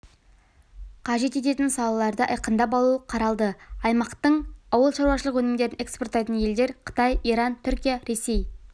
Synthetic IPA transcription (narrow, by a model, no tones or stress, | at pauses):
qʰɑʒe̞t̪e̞t̪̬e̞t̪ɪnsɑlˠɑlˠɑɾd̪əʔə̰jqənd̪ɑp̬ɑlˠuəqʰɑɾɑlˠd̪əɑjmɑqt̪əɴɑwəlˠʃɑɾwɑʃəlˠəqwɵnɪmd̪e̞ɾɪne̞ksport̪ːɑjt̪ənje̞ld̪e̞ɾqʰə̥t̪ɑjijɾɑnt̪ʰʏɾkʲijaɾe̞se̞j